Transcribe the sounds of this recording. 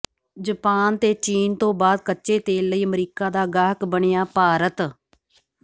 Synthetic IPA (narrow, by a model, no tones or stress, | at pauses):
d͡ʒəpaːnt̪eːt͡ʃiːnt̪õːbaːd̪̚kətːʃeːt̪eːlːəiːəmɾiːkaːd̪aːɡaːɦkbəɳejaːpaːɾət̪